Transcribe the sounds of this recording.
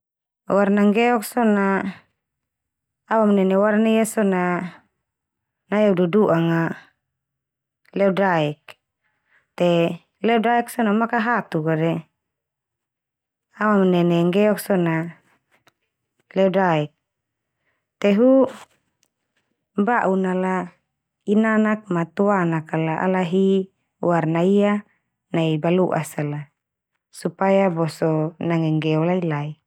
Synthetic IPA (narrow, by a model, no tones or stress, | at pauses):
warnaŋɡɛɔk̚sɔna | awamnɛnɛwarnaijasɔna | najaududuʔaŋa | lɛɔdaɛk̚ | t̪e | lɛɔdaɛksɔnamakaɦat̪ukadɛ | awamnɛnɛŋɡɛɔk̚sɔna | lɛɔdaɛk̚ | t̪ɛɦu | baʔunala | inanak̚mat̪uanakalaʔa̰laɦi | warnaia | naibaluʔasala | supajabɔsɔnaŋɛŋɡɛɔlailai